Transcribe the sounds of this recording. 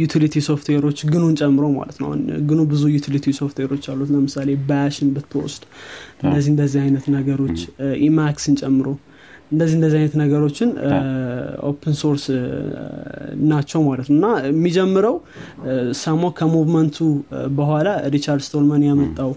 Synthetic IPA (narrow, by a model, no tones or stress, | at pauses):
jut̪ʰilit̪ʰiso̞ft̪ʰweɾo̞t͡ʃːɡɨnont͡ʃʼɛmːɨɾo̞ma̰lə̰t̪noa̰hunɡɨnobɨzujut̪ʰilit̪ʰiso̞ft̪ʰweɾo̞t͡ʃːalːut̪ləmɨsale̞bajaʃɪnbɨt̪ʰːɨwɔ̰sd̪̥ʔɨnd̪əzːihɨnd̪əzːihajnət̪nəɡəɾo̞t͡ʃːʔimaksɨnt͡ʃʼɛmːɨɾo̞ | ʔɨnd̪əzːihɨnd̪əzːihajnət̪nəɡəɾo̞t͡ʃːɪn | o̰pʰənso̞ɾs | nat͡ʃːɛwmalət̪nowɨnːamːid͡ʒɛmːɨɾəw | samawkʰəmuvmənt̪ʰubəhʷalaɾit͡ʃaɾd̪st̪ʰolmənjamət̪ʼːaw